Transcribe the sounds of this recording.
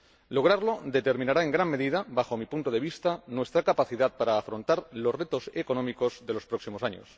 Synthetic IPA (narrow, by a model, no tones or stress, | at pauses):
lo̞ɣ̞ɾaɾlo̞d̪e̞t̪e̞ɾmĩnaɾae̞ŋɡɾanme̞ðiðabaxo̞mipunt̪oð̞e̞β̞ist̪anwe̞st̪ɾakapaθiðaðpaɾaːfɾõ̞nt̪aɾlo̞zre̞t̪o̞seko̞nomiko̞zðe̞lo̞spɾo̞ksimo̞saɲo̰s